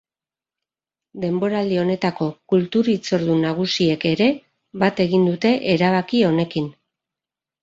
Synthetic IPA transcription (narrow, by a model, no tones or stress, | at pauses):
d̪e̞mbo̞ɾald̪io̞ne̞t̪ako̞kult̪uɾit͡so̞ɾðunaɣ̞usie̞ke̞ɾe̞ | βat̪e̞ɣind̪ut̪e̞ʔeɾaβ̞akio̞ne̞kin